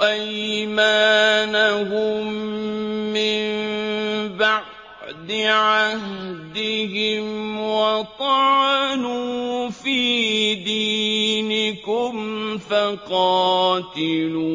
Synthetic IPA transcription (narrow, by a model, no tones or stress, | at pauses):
ʔajmaːnahʊmː | ɪm | baʕ | d̪ɪʕahd̪ɪhɪmwakɑːnuːfiːd̪iːnɪkʊmfaqɑːt̪ɪluː